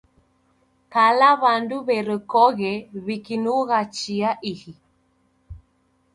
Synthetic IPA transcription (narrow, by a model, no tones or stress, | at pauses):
kalaβanduβɛɾɛkɔɣɛβikinuɣat͡ʃiaʔihi